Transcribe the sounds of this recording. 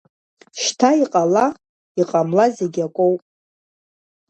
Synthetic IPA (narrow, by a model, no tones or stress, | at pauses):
ʃtʰaiqʼala | iqʼamlazeɡʲakʷʼowpʼ